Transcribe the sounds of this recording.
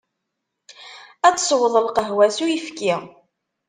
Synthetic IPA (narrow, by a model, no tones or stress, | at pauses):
æt͡sːsˤwəðˤəlqəɦwæsujifki